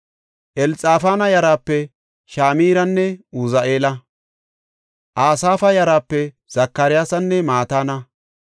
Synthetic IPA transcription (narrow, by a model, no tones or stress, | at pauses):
ʔɛlt͡sʼaːfaːnɐjɐɾaːpːɛ | ʃaːmiːɾɐnːɛuzɐʔe̞ːlɐ | ʔaːsaːfɐjɐɾaːpːɛ | z̥ɐkːɐɾɪjaːsɐnːɛmaːt̪aːnɐ